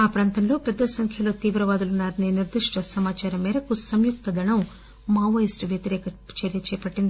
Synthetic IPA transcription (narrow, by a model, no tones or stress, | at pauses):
aːpɾaːnt̪ɐnlo̞ːpɛd̪ːɐsɐŋkʰjɐlo̞ːt̪iːʋɾɐʋaːd̪ulunːaːɾɐniːniɾd̪iʂʈɐsɐmaːt͡ʃaːɾɐmːɛːɾɐkusɐmjuk̚t̪ɐd̪ɐɳɐm | maːʋɐjisʈʋjɐt̪iɾɛːkɐt͡ʃɐɾjɐt͡ʃɛːpɐʈːind̪ii